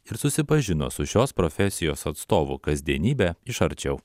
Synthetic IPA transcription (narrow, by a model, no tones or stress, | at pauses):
ɪɾsʊsʲɪpɐʒʲɪno̰sʊʃʲoːspɾɔfʲɛsʲɪjoːsɐt̪st̪oːʋʊ̰kɐzʲd̪ʲiɛnʲiːbʲɛɪʃɐɾʲt͡ʃʲɛʊ